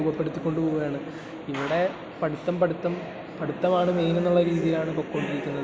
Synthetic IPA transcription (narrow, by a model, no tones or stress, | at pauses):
uːbɐpːe̞ɽut̪ːikʲːo̞ɳɖɨpoːɣuɐjaːɳɨ | iʋiɽe̞ | pɐɽut̪ːɐmpɐɽut̪ːɐm | pɐɽut̪ːɐmaːɳɨmeːjnenːuɭːɐɾiːðijilaːɳɨpokːoɳɖiɾikʲːunːɐðɨ